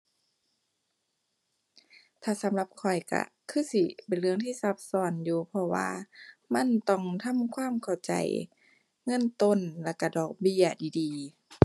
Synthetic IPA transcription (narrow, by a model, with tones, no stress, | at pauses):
t̪ʰaː˧˩sa˨˦mla˧˦p̚kʰɔ˨˩jka̰˧˩kʰɯː˧˥˨si˧pe˨nlɯ˧əŋt̪ʰiː˧˨sa˧˦p̚sɔː˧˨˩njuː˧˩pʰɔ˧wa̰ː˧ma˧˥˨nt̪ɔ˧˩˨ŋt̪ʰa˧˥˨mkʰwaː˧˥˨mkʰa˨˩wt͡ɕa̰˨˩j | ŋɤ˧˥˨nt̪o˧˥˨nla˧˩ka˧˩dɔː˨˩k̚bi˧˩˨ɐdiː˨˩diː˨